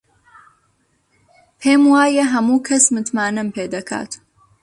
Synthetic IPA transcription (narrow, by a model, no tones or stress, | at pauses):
pʰeːmwaːjɐɦɐmuːkʰɐsmɨt̪maːnɨmpʰeːd̪ɐkʰa̰ːt̪